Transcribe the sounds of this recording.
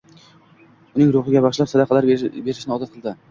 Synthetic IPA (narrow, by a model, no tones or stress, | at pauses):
ʊnɪŋɾʊχɪɡʲabaʃlapsad̪aqʰɑlaɾbe̞ɾɪʃɪnɪɒd̪at̪qʰɨlˠd̪ɪ